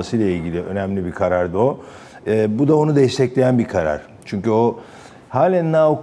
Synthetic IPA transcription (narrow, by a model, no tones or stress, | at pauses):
asɯjlˠailʲɟilʲiø̞̰næmlʲibikʰaɾaɾd̪o̞ | ɛːbud̪ao̞nud̪ɛjist̪ʰɛclʲe̞jænbiɾkʰaɾa̰ɾ̥ | t͡ʃʰyɲcyo̞ | haːlʲænnaːok